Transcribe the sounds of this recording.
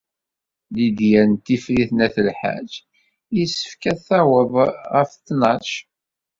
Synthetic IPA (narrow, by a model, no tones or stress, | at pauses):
lid̪jænt̪ːifɾiθnæθəlħa̰d͡ʒ | jisə̥fkæθæwəvʁəfθnɑʃ